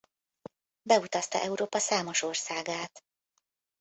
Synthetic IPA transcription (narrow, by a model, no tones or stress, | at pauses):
bɛut̪ɒst̪ɒ̰ʔɛuɾoːpɒsaːmo̞ʃo̞rsaːɡaːt̪